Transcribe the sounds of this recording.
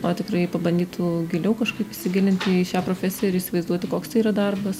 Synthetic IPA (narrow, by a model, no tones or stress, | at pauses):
oːt̪ʲɪkrɐɪpɐbɐnd̪ʲiːt̪ʰuːɡʲɪlʲɛʊkɐʃkɐɪpɪsʲɪɡʲɪlʲɪnʲt̪ʲɪɪʃʲæːpɾoːfʲæːsʲɪjɛɪɾiːsʲɪʋɐɪzd̪uɔt̪ʲɪkoːkst̪ɐɪiːɾɐd̪ɐrbɐs